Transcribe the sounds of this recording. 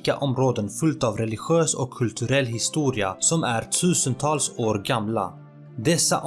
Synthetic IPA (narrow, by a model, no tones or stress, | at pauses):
ka̰ʔɔmɾoːd̪ənfɵlt̪aːvɾɛlɪɧɪøːsɔkʰːɵlt̪ʰɵɾɛlːɦɪst̪uːɾɪasɔmæɾʈʰʉ̟ːsənt̪ʰɑːlsoːɾɡamla̰ | d̪ɛsːa̰ʔ